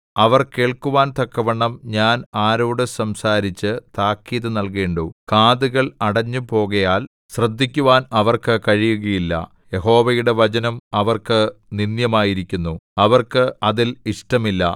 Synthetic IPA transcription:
ɐʋɐrke̞ːɭkuʋaːnt̪ɐkːɐʋɐɳːɐmɲaːnaːɾoːɽɨsɐmsaːɾit͡ɕːɨt̪aːkːiːðɨnɐlkeːɳɖokaːðuɣɐɭɐɽɐɲːupo̞ːɣɐjaːl | ɕrɐd̪ʱːikʲːuʋaːnɐʋɐrkɨkɐɻijuɣɐjilːɐ̰ | je̞ɦo̞ːʋɐjuɽe̞ʋɐt͡ɕɐnɐmɐʋɐrkɨninjɐmaːjiɾikʲːunːuɐʋɐrkɨɐðiliʂʈɐmilːɐ̰

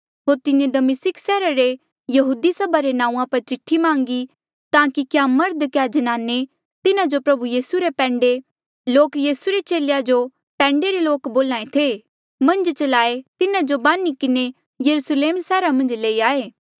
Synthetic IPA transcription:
ɦoːɾt̪ɪnẽd̪ɐmɪsɪksɛːɾaɾe | jɐɦuːd̪isɐbʱaɾenãːũãpɐɾt͡ʃɪʈʰːimãːŋɡi | t̪ãːkikjamɐɾd̪kjad͡ʒɐnaːne | t̪ɪnãd͡ʒopɾɐbujiːsuɾepɛ̃ːɳɖe | loːkjiːsuɾet͡ʃeːlejad͡ʒo | pɛ̃ːɳɖeɾeloːkboːlãːẽt̪ʰeː | mɐ̃nd͡ʒt͡ʃɐlaːet̪ɪnãd͡ʒobãːnikɪne | jɐɾusleːmsɛːɾamɐ̃nd͡ʒleːiaːeː

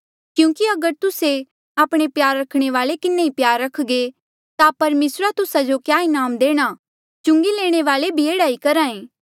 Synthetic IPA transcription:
kjũːkiɐɡəɾt̪ʊse | aːpɽ̃epjaːɾːɐkʰɽ̃eʋaːlekɪnːeipjaːɾːɐkʰɡe | t̪apɐɾmeːsɾat̪ʊsad͡ʒokjaːɪnaːmd̪eːɽ̃a | t͡ʃʊ̃ŋɡileːɽ̃eʋaːlebʱieːɽaːikɐɾãːẽː

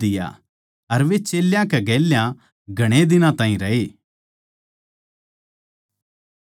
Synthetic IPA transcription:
ɪja̰ | ɐɾʋet͡ʃeːljãkeɡɛːljã | ɡʱɐɽ̃ed̪ɪnãt̪ãːĩɾɐɦeː

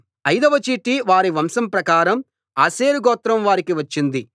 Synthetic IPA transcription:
ɐjd̪ɐʋɐt͡ʃiːʈːiʋaːɾiʋɐmsɐmpɾɐkaːɾɐm | aːseːɾuɡɔːt̪ːɾɐmʋaːɾikiʋɐt͡ʃːind̪i

